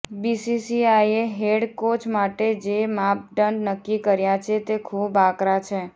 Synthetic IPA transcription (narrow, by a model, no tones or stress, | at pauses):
bisisiaijeɦeɽkot͡ʃmaʈed͡ʒemap̚ɖəɳɖnəkːikəɾjat͡ʃʰet̪ekʰubakɾat͡ʃʰe